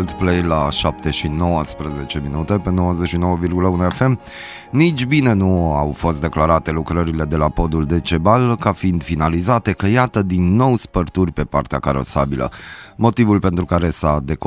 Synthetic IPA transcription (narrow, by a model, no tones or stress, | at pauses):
lt̪plejlaʃap̚t̪e̞ʃino̞wəspɾəze̞t͡ʃe̞minut̪e̞pe̞no̞wəzeʃino̞wəvirɡuləunue̞fe̞m | nit͡ʃʲbine̞nuawfo̞s̬t̪d̪e̞klaɾat̪e̞lukɾəɾile̞d̪e̞lapo̞d̪uld̪e̞t͡ʃe̞balkafind̪finalizat̪e̞kəjat̪əd̪inːo̞wspərt̪urʲpe̞part̪eakaɾo̰sa̰bilə̰mo̞t̪ivulpe̞nt̪ɾukaɾe̞sad̪e̞k